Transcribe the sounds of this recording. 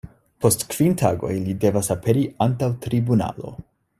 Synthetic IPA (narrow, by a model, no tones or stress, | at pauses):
po̞stkv̥intʰaɡo̞̰jlide̞vasape̞ɾiʔantawtɾibuna̰lo̞̰